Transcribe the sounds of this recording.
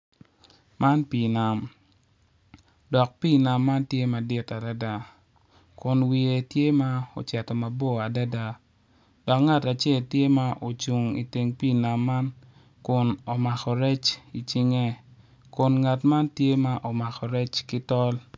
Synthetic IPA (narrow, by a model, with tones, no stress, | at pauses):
ma˦npi˨na˨m | dɔ˨k̚pi˦˨na˨mːa˦ntje˦ma˨dɪ˦ta˨da˦da˦ | kʊ˨nwi˨e˨tje˦ma˦o̰˨t͡ʃɛ˨tɔ˨ma˨bo˦a˨da˦da˦ | d̥ɔ˨kŋa˦ta˨t͡ʃe˦˨ltje˦ma˦ʔo˨t͡ʃu˨ŋḭ˨te˨ŋpiː˦˨na˨mːa˦n | kʊ˨no˨ma˨xɔ˨ɾɛ˦t͡ʃi˨t͡ʃi˦ŋe˦ | kʊ˨nŋa˨tma˦ntje˦ma˦ʔo˨ma˨xɔ˨ɾɛ˦t͡ʃkɪ˦tɔ˦l